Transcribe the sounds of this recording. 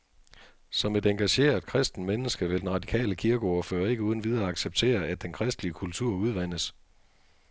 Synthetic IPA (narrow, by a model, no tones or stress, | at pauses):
sɒ̽me̝d̥eŋɡ̥æɕe̝̰ːɐ̥kʰʁɛsd̥n̩menəsɡ̥əʋe̝ld̥enʁɑ̈d̥ikʰɛ̰ːləkʰiɐɡ̥ɒɐfø̰ːɐe̝ɡ̥əuð̞ˠn̩ʋið̞ˠɐɑ̈ɡ̥seb̥̚t͡sʰe̝̰ːɐæd̥̚d̥enkʰʁɛsd̥liəkʰult͡sʰuɐ̰uð̞ˠʋæn̰əs